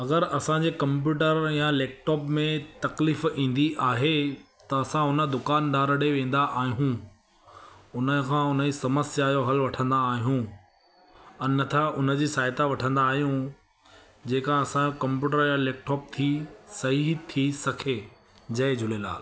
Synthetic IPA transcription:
ɐɡəɾɐsãɲd͡ʑeːkɐ̃mp̬juːʈəɾjãleːk̚ʈɔːpmẽt̪ɐkliːfĩːn̆d̪iʔaːɦe | t̪ɐɐsãɦʊnə̆d̪ʊkaːnɖaːɾəɽeʋẽːn̆d̪aʔaːɦijũ | ʊnəkʰãːʊnəisɐməsjaːjoɦɐlʋɐʈʰə̃nd̪aːɦijũ | ɐnɐt̪ʰaʔʊnə̆d͡ʑiːsaːɪt̪aʋɐʈʰə̃nd̪aːɦijũ | d͡ʑeːkãɐsãd͡ʑokɐ̃mpjuːʈ̬əɾjãleːk̚ʈɔːp̚t̪ʰisɐɦit̪ʰisɐkʰe | d͡ʑɐed͡ʑʱʊlela̰ːl

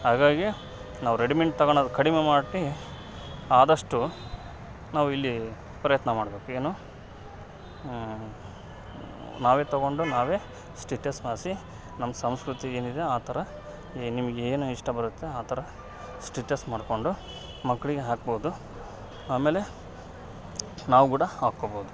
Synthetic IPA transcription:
haːɡaːɡi | naːʋuɾeɽimeɳʈ̚t̪ɐɡoɳod̪ukɐɽimemaːɖʈi | aːd̪ɐʂʈu | naːʋuilːi | pɾɐjɐt̪nɐmaːɽbe̞ːkue̞ːnuː | naːʋe̞ːt̪ɐɡo̞ɳɖunaːʋe̞ː | sʈeːʈɐsmaːsi | nɐmːɐsɐmskɾut̪ieːnid̪e̞aːt̪ʰɐɾɐ | nimɐɡeːnuiʂʈɐbɐɾut̪ːe̞aːt̪ʰɐɾɐ | sʈiːʈɐsmaːɽko̞ɳɖu | mɐkːɐɭiɡeɦaːk̚boːd̪u | aːme̞ːle̞ | naːʋukuːɽɐhaːkoːboːd̪u

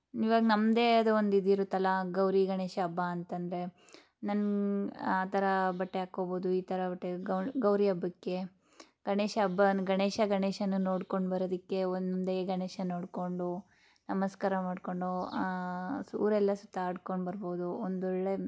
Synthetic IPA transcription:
iʋaːɡnɐmd̪eɐd̪eond̪id̪iɾut̪ɐlɐɡɐwɾiɡɐɳeːʃɐːbːaːnt̪ɐnd̪ɾe̞ | nɐn | aːt̪ɐɾɐbɐʈːeaːkːoːboːd̪uiːt̪ɐɾɐbɐʈːeɡɐɡɐwɾiɐbːɐkːe̞ | ɡ̥ɐɳeːʃɐɐbːɐnɡɐɳeːʃɐɡɐɳeːʃɐnuno̞ːɽko̞ɳɖbɐɾoːd̪ikːe̞ond̪eɡɐɳeːʃɐnoːɽko̞ɳɖu | nɐmɐskaːɾɐmaːɖko̞ɳɖu | sṵːɾɛlːɐsut̪aːɽko̞ɳɖbɐɾboːd̪uond̪ɔɭːe

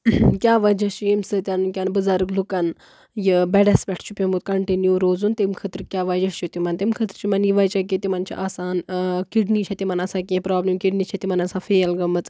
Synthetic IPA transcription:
kʲaːʋɐd͡ʒɐt͡ʃʰijemsɨt̪ʲanunkʲanbɨzaːɾɨklukɐn | jibɛɖɐspʲɐʈʰt͡ʃʰupʲemut̪̚kɐɳʈinjuːɾoːzunt̪imkʰɐt̪ɾkʲaːʋɐd͡ʒɐʃt͡ʃʰut̪imɐnt̪imkʰɐt̪ɾt͡ʃʰimɐnjiʋɐjt͡ʃɐk̬it̪imɐnt͡ʃʰḭʔaːsaːnkiɖnit͡ʃʰɐt̪imɐnɐsaːk̬ʲẽpɾaːblemkiɖnit͡ʃʰɐt̪imɐnɐsãːfeːɐlɡɐmɐt͡s

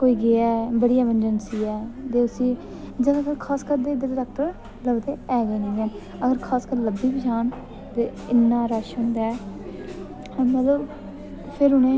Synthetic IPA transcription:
koːiːɡeɛːbəɽijaːmənd͡ʒənsiːɛːt̪eːʊsĩː | d͡ʒəɡãːkəkʰaːskəɾd̪eːd̪əɾɾɛːk̚ʈəɾ | ləbt̪eːɛːɡiːnĩːɛːn | əɡəɾkʰaːskəɾləbːiːpəʃaːn | t̪eː | ɪnːaːɾaːʃɦʊ̃ːnd̪aːɛː | mɛːləb | pʰɪɾɦʊnẽː

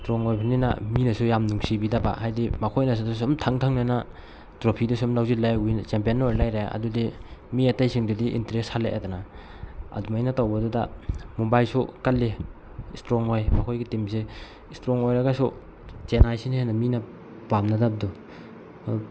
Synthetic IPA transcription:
stɾɔŋojpʰanina̰minɐsujamnuŋsibidaba̰hajdimakʰojnɐs̬udas̬umtʰaŋtʰaŋnana | tɾopʰidusumlawzilajunt͡ʃempijenːojlajɾaa̰dudimiatajsiŋdudiʔḭntɾeshaleʔadana | ɐ̰dumajnatawbɐdudamobajlsukalːe | stɾɔŋojmakʰojɡitimse | stɾɔŋojɾaɡasu | t͡ʃenajsinenamina | pamnadab̚du

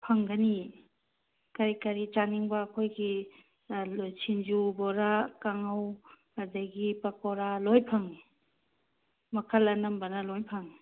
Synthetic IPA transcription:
pʰɐŋɡani | kɐɾikɐɾitaniŋbaːkʰojɡi | lojsʰind͡ʒubɔɾakaŋawkadaɡipakɔɾalɔjpʰaŋi | mɐkʰɐlɐnɐmbɐnɐlɔjpʰaŋi

